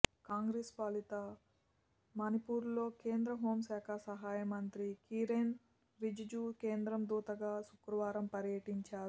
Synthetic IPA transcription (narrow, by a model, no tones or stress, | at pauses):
kaːŋɡɾeːspaːlit̪ɐ | mɐnipuːɾlo̞ːke̞ːnd̪ɾɐɦo̞ːmsaːkʰɐsɐɦaːjɐmɐnt̪ɾikiːɾeːn | ɾid͡ʒid͡ʒuːkeːnd̪ɾɐmd̪uːt̪ɐɡaːsukɾɐʋaːɾɐmpɐɾjɐʈiɲt͡ʃaːɾu